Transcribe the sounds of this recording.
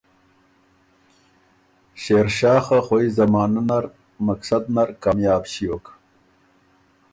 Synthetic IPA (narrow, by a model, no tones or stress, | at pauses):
ɕeːɾɕɑːxaχoizamɑːnunaɾ | maksad̪naɾkaːmjɑːbɕijok